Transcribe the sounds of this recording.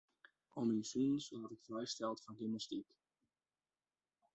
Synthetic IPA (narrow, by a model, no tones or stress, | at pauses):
ominsiːnsatətfrɛjstɛlˠtfɔnɡimnəstik